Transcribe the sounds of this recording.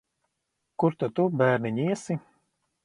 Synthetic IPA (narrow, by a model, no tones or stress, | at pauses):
kuɾt̪at̪ubæːɾnʲiɲʲiɛsi